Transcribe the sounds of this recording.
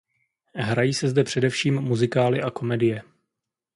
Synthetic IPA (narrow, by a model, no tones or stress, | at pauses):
ɦɾajiːsɛzdɛpr̝̥ɛdɛfʃiːmːuzɪkaːlɪʔako̞mɛdɪjɛ